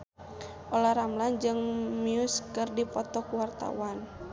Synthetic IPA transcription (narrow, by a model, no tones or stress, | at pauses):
ʔɔlaɾamland͡ʒɨŋmiuskɨrdipɔt̪ɔkuwart̪a̰wan